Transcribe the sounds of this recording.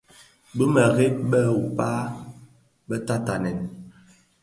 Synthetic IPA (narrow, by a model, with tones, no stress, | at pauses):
bə˦mə˨ɣe˦ɓə˦˨u˨pa˦ | ɓə˦ta˦ta˨nɛ˨n